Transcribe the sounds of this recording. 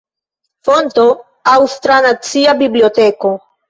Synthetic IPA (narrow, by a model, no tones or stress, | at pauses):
fonto̞ | awstɾanat͡siabibliote̞ko̞